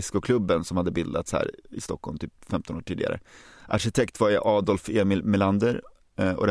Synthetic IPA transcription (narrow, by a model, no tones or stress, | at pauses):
ɪskʊkʰlɵbːənsɔmhad̪ːəbɪld̪at̪shæ̰ːɾɪst̪ɔkːɔ̰lmt̪ʰyːpfɛmt̪ɔnoːʈʰiːd̪ɪɡa̰ɾə̰ʔaɾʂɪt̪ʰɛkt̪vaɾjaʔɑːd̪ɔlfeːmɪlmɛland̪əɾ | ɔ̰d̪ɛ